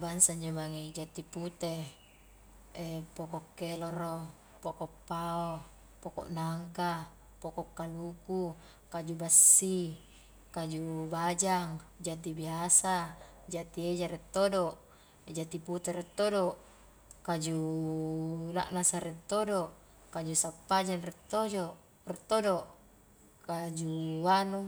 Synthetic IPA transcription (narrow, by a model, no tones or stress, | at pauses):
bansaɲd͡ʒobaŋed͡ʒat̪iput̪e | epokokːeloɾo | pokɔpːao | poko̰ʔnaŋka | pokɔkːaluku | kad͡ʒubasːi | kad͡ʒubad͡ʒaŋd͡ʒat̪ibiasa | d͡ʒat̪ied͡ʒaɾɛt̪ːodoʔ | d͡ʒat̪iput̪ɛɾɛt̪ːodoʔ | kad͡ʒu | na̰ʔnasaɾɛt̪ːodoʔ | kad͡ʒusapːad͡ʒanrɛt̪ːod͡ʒoʔ | rɛt̪ːodoʔ | kad͡ʒuwanu